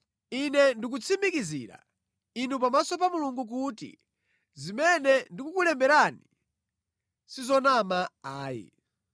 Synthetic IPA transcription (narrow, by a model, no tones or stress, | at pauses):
inɛndik̬ut͡sʰimikizḭːɾa̰ | inupamasɔpamuluŋɡuk̬uːtḭ | zimɛnɛndikukulɛmbɛɾani | sizɔnamaaːjḭ